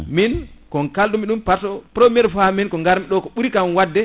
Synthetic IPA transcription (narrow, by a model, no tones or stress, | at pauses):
minkɔŋkalɗumiɗumpaɾtɔpɾomijɛɾfaminkɔŋɡaɾmiɗɔkɔɓuɾikamwadːɛ